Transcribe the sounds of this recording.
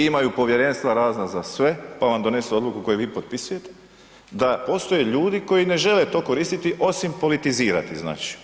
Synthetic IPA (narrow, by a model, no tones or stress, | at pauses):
imajupo̞ʋje̞ɾe̞ːnst̪ʋaɾaːznazasʋe̞paʋamd̪o̞ne̞suo̞d̪lukuko̞juʋiːpo̞t̪̚pisuje̞t̪e̥ | d̪apo̞st̪o̞jeʎuːd̪iko̞jine̞ʒe̞let̪o̞ːko̞ɾiːst̪it̪iʔo̞simpo̞lit̪iziːɾa̰t̪izna̰ːt͡ʃi̥